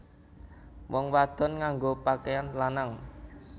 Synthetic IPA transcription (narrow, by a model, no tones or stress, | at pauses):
wɔŋwad̪̥ɔ̤nŋaŋɡopakeanlanaŋ